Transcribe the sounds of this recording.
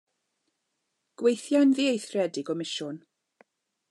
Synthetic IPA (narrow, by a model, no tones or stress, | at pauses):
ɡ̥wejθjanðiːejθrɛdiɡɔmɪʃʊn